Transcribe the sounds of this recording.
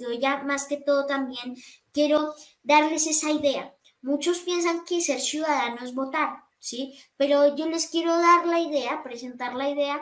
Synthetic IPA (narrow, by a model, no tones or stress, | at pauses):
oʝamaske̞t̪o̞ðot̪ambje̞ŋkje̞ɾo̞ | ðaɾle̞se̞saiðe̞a | mut͡ʃo̞spje̞ns̬aŋke̞se̞ɾsjuðaðanoezβo̞t̪aɾ | sipe̞ɾo̞ʝo̞le̞skje̞ɾo̞ðaɾlaiðe̞apɾese̞nt̪aɾlaiðe̞a